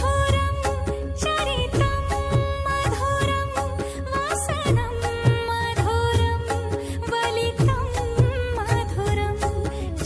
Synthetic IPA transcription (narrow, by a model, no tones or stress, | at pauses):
oɾɐm | t͡ʃɐɾit̪ɐmːad̪ʱoːɾɐm | ʋasɐnɐmːad̪ʱoɾɐm | ʋɐlit̪ɐmːɐd̪ʱoɾɐm